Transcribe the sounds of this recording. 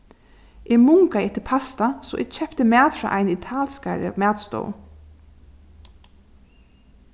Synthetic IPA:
ʔɪmʊŋkaɛht̪ɪpʰast̪asɔ̰ʔɛ̰ɡt͡ʃʰɛpt̪əmæːt̪fɾa̰ːʔajnɪt̪ʰaːlskaɾə̰mæːd̪st̪ɔ̰ːw

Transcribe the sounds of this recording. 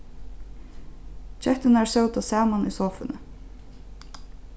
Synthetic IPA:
t͡ʃœht̪ɪnæɹsœwt̪ɔsɑːmanisɔːfʏnə

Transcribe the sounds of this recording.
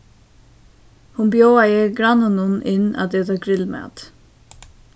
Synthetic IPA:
hʊnbjowajəɡɾanʊnʊnɪna̰t̪ɛt̪aɡɾɪlmæ̰t̪

